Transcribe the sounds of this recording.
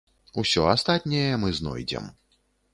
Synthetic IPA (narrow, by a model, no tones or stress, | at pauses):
usʲɔast̪at̪ʲnʲɛjɛmɨznɔ̰jd͡zʲɛ̰m